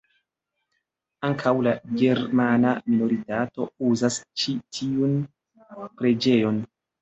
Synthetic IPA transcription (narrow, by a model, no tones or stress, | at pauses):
aŋkʰawlaɡe̞ɾmanamino̞ɾitato̞uzast͡ʃitʰiun | pɾe̞d͡ʒe̞jo̞n